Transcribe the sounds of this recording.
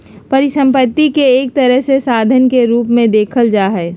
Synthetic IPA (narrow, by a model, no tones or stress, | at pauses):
pɐɾɪʃə̃mpət̪ːikeeːk̚t̪əɾəɦsesaːd̪ʱənkeɾuːpmẽd̪eːkʰəld͡ʒaːɦɛː